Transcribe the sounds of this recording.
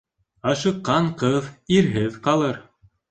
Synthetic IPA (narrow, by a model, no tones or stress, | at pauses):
ɑʃɤ̆qːɑɴqɤðiɾɦɘðqɑlˠɤɾ